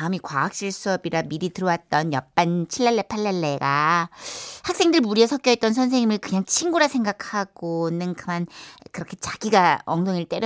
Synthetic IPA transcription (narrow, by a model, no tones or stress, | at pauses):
aɯmikwaak̚ɕ͈iɭs͈uʌbiɾamiɾitɯɾʌwat̚t͈ʌnjʌp͈ant͡ɕʰiɭːaɭːe̞pʰaɭːaɭːe̞ɡa | hak̚s͈e̞ŋdɯɭmuɾiʌsʰʌk͈jʌet͈ʌnsʰʌnsʰeŋɲimɯɭkɯɲaŋt͡ɕʰiŋɡuɾasʰe̞ŋɡakʰaɡ̥onɯnkɯmankɯɾʌkʰe̞t͡ɕaɡiɡaʌŋdoŋiɭt͈eɾ